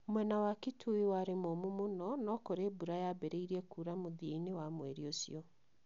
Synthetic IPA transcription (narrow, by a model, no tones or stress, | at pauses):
mwɛnawakitʰuiwaɾemomomonɔnɔkoɾeːbuɾajabɛɾeiɾiɛkuːɾamoðieinewamwɛɾiosḭɔ